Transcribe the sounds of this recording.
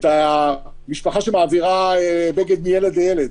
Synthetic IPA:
ta | miʃpaχaʃemaːviʁaebeɡed̪̚mijeled̪lejeled̪

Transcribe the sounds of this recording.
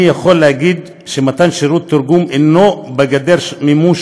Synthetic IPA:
ijaχolːehaɡid̪ | ʃemat̪anʃeɾut̪ːuɾɡumʔenobeɡad̪eɾmimuʃ

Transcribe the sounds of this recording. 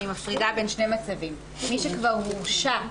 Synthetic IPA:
imafʁidabe̞nʃne̞jmat͡savimː | iʃekvaʁmuʃa

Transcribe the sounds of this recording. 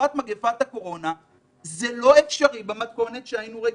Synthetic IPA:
at̪maɡefat̪hako̞ʁo̞na | zelo̞efʃaʁibemat̪ko̞netʃehainuʁe

